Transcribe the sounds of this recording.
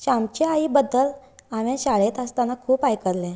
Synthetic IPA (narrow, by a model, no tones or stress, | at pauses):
ɕamt͡ɕeaibəd̪ːəlaʋẽɕaɭet̪əst̪anakʰuːpajkəɾlɛ̃